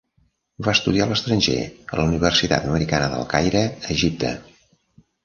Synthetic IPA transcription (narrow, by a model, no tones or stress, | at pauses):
baəst̪uðialəst̪ɾənʲʒḛə̰ləuniβ̞ərsit̪a̰t̪əməɾikanəðə̰lˠkajɾəəʒip̚t̪ʰə̰